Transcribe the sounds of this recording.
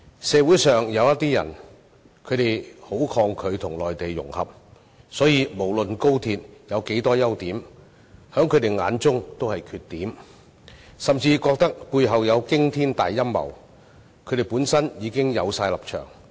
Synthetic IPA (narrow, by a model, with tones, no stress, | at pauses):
sɛː˨˧wu˨˥jsœː˨ŋjɐ˨˧wjɐ˥t̪̚ːiː˥jɐ̰˨˩n | kʰɵ˨˧ɥt̪e˨jho˨˥wkʰɔː˧ŋkʰɵ˨˧ɥt̪ʰʊ˨˩ŋlɔː˨jt̪e˨jːʊ̰˨˩ŋhɐ̰˨p̚ | sɔː˨˥jiː˨˧mo˨˩wlɵ˨nko˥wt̪ʰiː˧t̚jɐ˨˧wke˨˥jt̪ɔː˥jɐ˥wt̪iː˨˥m | hœː˨˥ŋkʰɵ˨˧ɥt̪e˨jŋa̰ː˨˥nt͡sʊ˥ŋt̪o˥whɐ˨jkʰyː˧t̚t̪ːiː˨˥m | sɐ˨mt͡siː˧kɔː˧k̚t̪ɐ˥k̚puː˧jɦɐ˨wjɐ˨˧wkɪ˥ŋt̪ʰiː˥nt̪aː˨jːɐ˥mmɐ̰˨˩w | kʰɥɾe˨˩jpuː˨˥nsɐ˥njiː˨˧kɪ˥ŋjɐ˨˧wsaː˧jlɐ˨˩p̚t͡ʃʰœ̰ː˨˩ŋ